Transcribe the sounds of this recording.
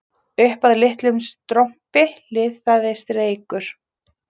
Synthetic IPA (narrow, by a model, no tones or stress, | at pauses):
ʏhpaðlɪht̪lʏmst̪ɾɔm̥pɪlɪːθfaðɪst̪ɾeːjkʏɾ̥